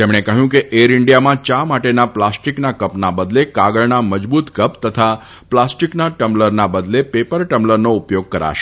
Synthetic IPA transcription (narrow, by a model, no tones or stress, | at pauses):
t̪emɽ̃ekəɦjũkeʔeɾɪɳɖijamãt͡ʃamaʈenaplasʈiknakəpnabəd̪lekaɡəɭnaməd͡ʒbut̪kəpt̪ət̪ʰa | plasʈiknaʈəmləɾnabəd̪lepepəɾʈəmləɾnoupjoɡ̚kəɾa̰ʃe̥